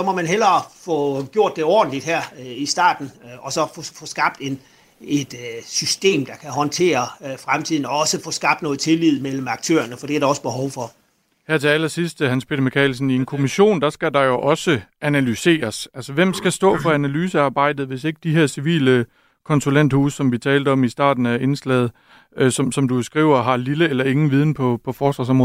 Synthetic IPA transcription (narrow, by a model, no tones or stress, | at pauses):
sɒ̽mɒ̽mænɦelɐfɔɡ̥jo̝ɐ̰d̥ːe̝ɒ̰ːd̥n̩lid̥hæɐ̰isd̥ɑ̰̈ːd̥n̩ɒ̽sɒ̽ffɔsɡ̥ɑ̈b̥̚d̥e̝n | e̝d̥sysd̥e̝̰ːmd̥ɑ̈kʰæɦɒ̽nt͡sʰe̝̰ːɐfʁamt͡sʰið̰ˠn̩ɒ̽ɒ̽səfɔ̽sɡ̥ɑ̈b̥̚d̥nɔ̽ːð̩ˠt͡sʰe̝lið̞̰ˠmel̰m̩ɑ̈ɡ̥̚t͡sʰø̰ːɐnəfɒ̽d̥eæɐd̥aɒ̽səb̥e̝ɦɒʊfɒ | hæɐ̰t͡sʰeæl̰ɐsisd̥hænspʰe̝ɾɐmikʰɛ̰ːlsn̩ie̝nkʰo̝miɕo̝̰ːnd̥ɑ̈sɡ̥æd̥ɑ̈jo̝ʔɒ̽səænælyse̝̰ːɐsælsɐʋem̰sɡ̥æsd̥ɔ̰̽ːfɒ̽ænælyːsəɑ̈ːb̥ɑ̈ɪ̰d̥ð̞̩ˠʋe̝se̝ɡ̥əd̥iɦeɐ̰siʋḭːlə | kʰɒ̽nsulen̰d̥hṵːssɒ̽mʋit͡sʰɛːld̥əɒ̽misd̥ɑ̰̈ːd̥n̩æe̝nslɛð̞̩ˠ | sɒ̽msɒ̽mdusɡ̥ʁḭʊ̰ɐɦɑ̈liləelɐe̝ŋn̩ʋið̞ˠn̩pʰɒ̽pʰɒ̽fɒːsd̥ɑ̈s̬ɒmʁɔːð̩ˠ